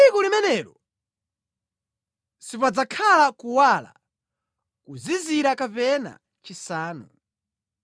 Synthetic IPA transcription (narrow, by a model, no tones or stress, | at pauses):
ikulimɛnɛɾɔ | sipad͡zakʰalakuwala̰ | kuziziɾakapɛna̰ | t͡ʃisaːnu